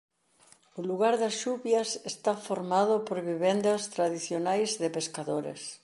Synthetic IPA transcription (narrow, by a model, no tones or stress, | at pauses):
ʊluɣaɾðɐsʃuβjɐsest̪afoɾmaðʊpoɾβiβend̪ɐst̪ɾaðiθjonajzðɪpeskaðoɾḛs